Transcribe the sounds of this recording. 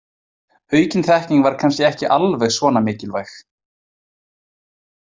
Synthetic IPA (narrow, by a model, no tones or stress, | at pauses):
œːɥcɪnθɛhcniŋkvaɾ̥kʰanscɛɛhcɪʔalvɛɣsvɔːnamɪːcɪlvajx